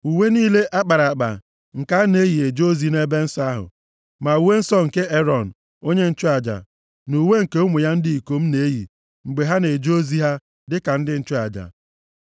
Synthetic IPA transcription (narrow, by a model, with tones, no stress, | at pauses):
u˨we˦niː˦le˦ʔa˦k͡pa˨ɾa˨k͡pa̰˨ | ŋ̩˨ka˦ne˦ji˨e˨d͡ʒo˦zi˦ne˦be˦n̩˦sa˦a˦ɦʊ̰˨ | ma˨u˨we˦n̩˦sɔ˦ŋ̩˨ke˦e˦ɾɔ˨n̩˨ | o˦ɲe˦n̩˦t͡ʃʊ˦a˨d͡ʒa̰˨ | nu˨we˦ŋ̩˨ke˦ʊ˦mʊ˨ja˦n̩˦di˦i˨ko˦m̩˦ne˦jḭ˨ | ŋ͡m̩˨ɡ͡be˨ɦa˦ne˨d͡ʒo˦zi˦ɦa˦ | dɪ˦ka˨n̩˦dɪ˦n̩˦t͡ʃʊ˦a̰˨d͡ʒa̰˨